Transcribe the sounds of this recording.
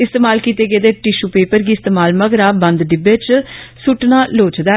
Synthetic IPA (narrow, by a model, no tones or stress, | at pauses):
ɪst̪eːmaːlkiːt̪eːɡeːd̪eːʈɪʃuːpeːpəɾɡiːɪst̪eːmaːlməɡɾaːbə̃nd̪ɖɪbeːt͡ʃsʊʈnaːloːt͡ʃd̪ɛː